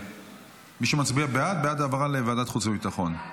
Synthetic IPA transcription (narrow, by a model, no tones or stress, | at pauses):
miʃemat͡sbiabead̪̚bead̪aːvaʁalevaːdat̪χut͡sbebit̪aχo̞n